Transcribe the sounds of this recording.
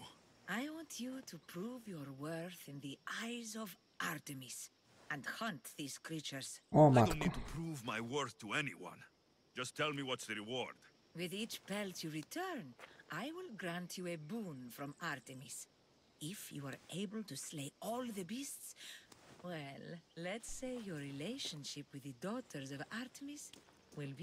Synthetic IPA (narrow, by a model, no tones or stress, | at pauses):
ajwɔ̃ntʰjutʰupʰɹuvjɔɹwɜɹθɪ̃nðiʔajzɔv | ʔaɹt̪ɨmis | æ̃ndhʌ̃nt̪ðiz̥kʰɹit͡ʃə˞z̥omaitupʰɹuvmajwɜɹθtuɛnḭwʌ̰̃n | d͡ʒʌstʰɛlˠmiwʌtsðɨɹiwɔɹd̥ | wɪðit͡ʃpɛlt̪ʰjuɹit̪ʰɜɹnʔajwɪlɡɾãntʰjuebũnfɾɔ̃maɾt̪ɛmis | ɪfjṵwəɹʔeɪbəlt̪usleɪɔlˠðəbists | wɛlːɛtseɪjɔɹɹileɪʃə̃nʃɪpwɪðədɔt̪ʰəɹzɔvaɾt̪ʰəmis | wɪlb